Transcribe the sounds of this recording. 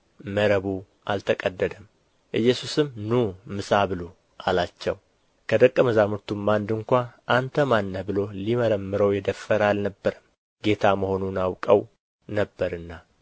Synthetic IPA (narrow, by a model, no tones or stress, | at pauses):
məɾəβu | ʔalt̪ʰəkʼəd̪ːəd̪əm | ʔɨjːɛsusɨmnumɨsaβɨlo | ʔalat͡ʃːɛw | kʰəd̪əkʼːəməzamut̪umːand̪ɨŋkʷaʔant̪ʰəmanːəhbɨlo̞liməɾəmːɨɾəwjɛd̪əfːəɾalnəbːəɾɨm | ɡe̞t̪ʰaməho̞nunawkʼəw | nəbːəɾɨnːa